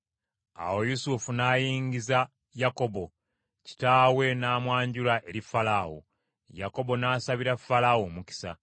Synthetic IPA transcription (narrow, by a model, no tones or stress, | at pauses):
a̰wo̞jusufunaːjiːɲɡiza | jako̞bo̞ | ci̥taːwe̞naːmwaːɲɟulaʔe̞ɾifalawo̰ | jako̞bo̞naːsaβiɾafalawomuki̥sa̰